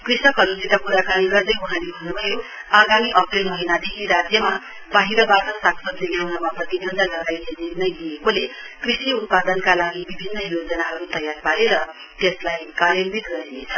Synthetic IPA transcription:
krisʌkɦʌɾusit̪akuɾakaɽ̃iɡʌrd̪ʌjuɦãnebʱʌnemʌjo | aɡamiʔʌprelmʌɦinad̪ekʰiɾad͡zjʌma | baɦiɾʌbaʈʌsaksʌd̪eɡawnʌmaprʌt̪inʱʌnd̪ʌlʌɡajlenirnʌjd̪ijekole | krisiut̪̚pad̪ʌnkalaɡibibʱinːʌɦiɾod͡zʌnaɦʌɾut̪ʌjarpaleɾʌ | t̪eslajkalelbit̪ɡʌenet͡sʰʌ̥

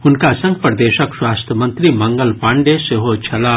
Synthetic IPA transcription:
hʊnkasɐ̃ŋɡ̚pɾɐd̪eːʃəkswaːst̪ɐmɐ̃nt̪ɾimɐ̃ŋɡəlpaɳɖeseɦot͡ʃʰɐlaː

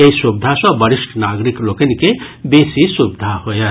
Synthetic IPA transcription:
eisub̚d̪ʱasɔ̃bʌɾisʈʰnaɡɾiklokenikebesisubd̪ʱahojə

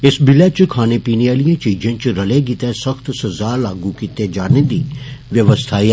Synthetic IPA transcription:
ɪsbɪlɛt͡ʃkʰaːnepiːneaːlijãt͡ʃiːd͡ʒẽt͡ʃɾɐleɡit̪ẽsɐxt̪sɐzaːlaːɡukiːt̪ed͡ʒaːnẽd̪iːʋjəʋəst̪ʰaːi

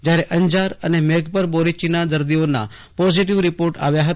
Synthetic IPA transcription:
d͡ʑjaɾeʔəɲd͡ʑaɾə̰nemeɡpəɾboɾit͡ɕinad̪əɾd̪ionːa̰ | pɔd͡ʑiʈiʋɾipoɾʈa̰ʋjaɦət̪

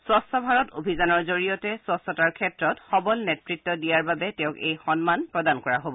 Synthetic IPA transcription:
swɔsɔbʱaɹɔtobʱizanɔɹzoɹijɔtɛswɔsɔtaɹkʰɛtɹɔtxɔbɔlnetɹitːɔdijaɹbabɛtɛʊ̃kejxɔnmanpɹɔdankɔɹaɦobɔ

